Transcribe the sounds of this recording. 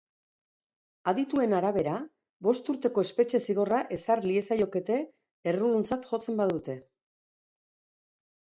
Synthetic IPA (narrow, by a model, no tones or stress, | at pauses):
aðit̪ue̞naɾaβ̞e̞ɾa | βo̞st̪uɾt̪e̞ko̞e̞spe̞t͡ʃe̞siɣ̞o̞raʔe̞sarlie̞sajo̞ke̞t̪e̞ː | rulunt͡sat̪ʝo̞t͡se̞mbaðut̪e̞